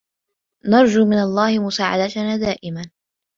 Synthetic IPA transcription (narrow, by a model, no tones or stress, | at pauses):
nɑɾˤd͡ʒuːmɪnalˤːɑːhɪmʊsaːʕa̰d̪at̪naːd̪aːʔɪman